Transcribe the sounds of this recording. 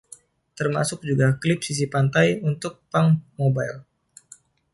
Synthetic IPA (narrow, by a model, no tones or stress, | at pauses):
t̪ərma̰sʊk̚d͡ʒuɡaklɪp̚sis̬ipant̪ajunt̪ʊk̚paŋmobajl